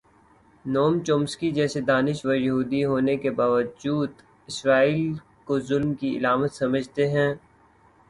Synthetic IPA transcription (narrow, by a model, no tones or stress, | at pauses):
noːmt͡ʃoːmskid͡ʒɛːsed̪aːnɪʃʋɐɾjɐɦuːd̪iɦoːnekebaːʋəd͡ʒuːd̪ | ɪsɾaːiːl | kozʊlmkiɪ̰laːmət̪sɐməd͡ʒʱt̪eɦɛ̃ː